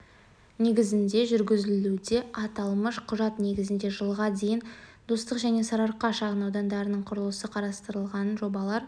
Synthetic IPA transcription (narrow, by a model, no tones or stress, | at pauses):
ne̞ɡʲɪzɪnd̪e̞ʒʏɾɡʲɪzɪlud̪e̞ɑt̪ɑlˠməʃqʰʊʒɑt̪ne̞ɡʲɪzɪnd̪e̞ʒəlˠʁɑd̪e̞jɪnd̪̥ost̪əqʒæne̞sɑɾɑɾqɑʃɑʁənɑwd̪ɑnd̪ɑɾənəɴqʰʊɾəlˠəsəqʰɑɾɑst̪əɾəlˠʁɑnʒo̞bɑlˠɑɾ